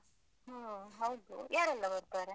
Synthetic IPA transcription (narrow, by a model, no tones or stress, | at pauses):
ɦaɦɐwd̪ṵjaːɾɛlːɐbɐɾt̪aːɾe